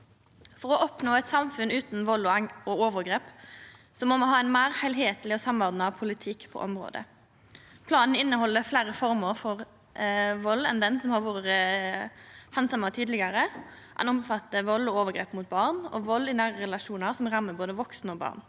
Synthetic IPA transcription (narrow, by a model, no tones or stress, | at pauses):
fɔʁɔʔɔpnoːɛɪt̪sɑmfʉnʉːt̪n̩ʋɔlːɔɔoːʋəʁɡɾeːp | sɔmːɔmɔɦɑːæɪnmæːʁhæɪlɦeːt̪lɪɔsɑmːɔʁd̪nɑpʰʊlɪt̪ʰɪkːpʰɔ̰ːʔɔmʁo̰ːd̪ə̰ | pʰlɑːnn̩ɪnːəhɔlːəflæːɾəfɔʁməɾfɔʁ | ʋɔlːɛnd̪ənsɔmhɑʋoːəʁə | hɛnsɑməʁt̪ʰiːd̪lɪɡɑɾə | ʔɛ̰nɔmfɑt̪ːəʋɔlːɔoːʋəɡʁeːpmʊːt̪̚bɑːʁnɔ̰ʋɔlːɪnæːʁəʁɛlɑʃuːnəʁsɔmʁɑmːəboːd̪əʋɔksnoːbɑ̰ːʁn